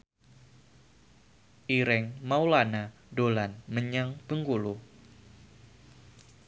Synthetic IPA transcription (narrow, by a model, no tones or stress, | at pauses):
ʔiɾɛŋmawlana | dolanməɲaŋb̥əŋkulu